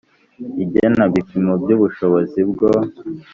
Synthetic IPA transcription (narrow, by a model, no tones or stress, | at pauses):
iɟenaβipimobɟuβuʃoβozibɡo